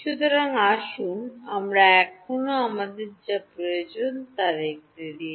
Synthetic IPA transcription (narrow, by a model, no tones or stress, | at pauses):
ʃut̪oɾaŋaʃunamɾaɛkʰonoamad̪eɾd͡ʑapɾojod͡ʑont̪aɾek̚ɾeɾi